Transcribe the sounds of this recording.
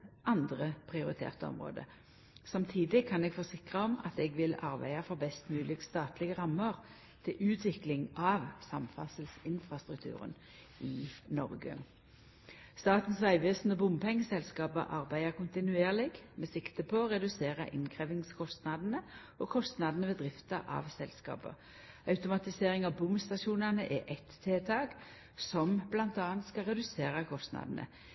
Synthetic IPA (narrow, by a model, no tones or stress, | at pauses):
ʔɑnd̪ʁəpʰʁɪʊʁɪt̪ʰḛːʁt̪əɔ̰mʁo̰ːd̪ə̰ | sɑmt̪ʰiːd̪ɪkʰɑnɛɡfɔsɪkʁəɔmɑ̰t̪ɛɡʋɪlɑ̰ʁbæ̰ɪɑfʁɑbɛst̪mʉːlɪɡst̪ɑːt̪lɪɡəʁɑmːəʁ | t̪ʰɪlʔʉːt̪ʰʋɪklɪŋɑʋsɑmfɑ̰səlsɪnfʁɑst̪ʁʉkt̪ʰʉ̰ːʁə̰n | ɪnɔʁɡə̰ | st̪ɑːt̪n̩sʋæɪʋeːsnəbʊmpʰɛŋːəsɛlskɑːpə̰ʔɑʁbæɪəkʊnt̪ɪnʉeːʁlɪɡmɛsɪkt̪əpʰɔɔʁɛd̪ʉseːʁə̰ʔɪnkʰʁeːʋɪŋskʰɔst̪nɑd̪nə | ɔkʰɔst̪nɑd̪nəʋeːd̪ʁɪft̪əʔɑ̰ʋsɛlskɑ̰ːpə̰ | ɑʉt̪ʊmɑt̪ɪseːʁɪŋɑʋbʊmst̪ɑʃuːnənəʔɛʔɛt̪ʰːeːt̪ʰɑːɡ | sɔmblɑnt̪ɑːnt̪skɑlʁɛd̪ʉseːʁəkʰɔst̪nɑ̰d̪n̩ʔə̰